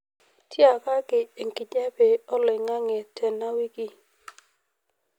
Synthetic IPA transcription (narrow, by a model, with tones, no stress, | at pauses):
tʰji˦a˨ka˦kɪ˨e˨ŋki˨d͡ʒa˦be˨ɔ˦lɪ˨ŋa˦ŋɛ˨tʰɛ˨na˦wi˦ki˦